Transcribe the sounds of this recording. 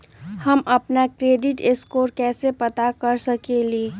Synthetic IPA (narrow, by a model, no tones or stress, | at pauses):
həməpnakɾeːɖɪʈeskoːɾkɛːsepət̪akəɾsəkeliː